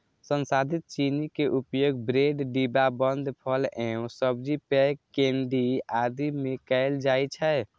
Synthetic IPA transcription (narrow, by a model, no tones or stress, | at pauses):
sənsad̪ʱit̪̚t͡ʃinikeʔupjoɡbɾeɖɖibabənd̪ʱpʰəlɛ̃ũsəbd͡ʒipɛkːeɳɖiad̪imekəɪld͡ʒajt͡ʃʰɛ